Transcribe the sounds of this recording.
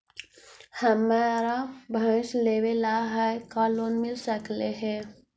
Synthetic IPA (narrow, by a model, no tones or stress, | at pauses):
hɐmaːɾabʱə̃sleːwelaːɦajkaːloːnmɪlsəkleɦɛː